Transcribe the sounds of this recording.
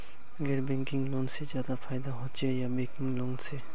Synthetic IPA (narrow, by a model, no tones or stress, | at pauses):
ɡeɾbeŋkiŋlɔnsed͡ʒad̪apʰajd̪aɦɔt͡ʃejabekiŋlɔŋse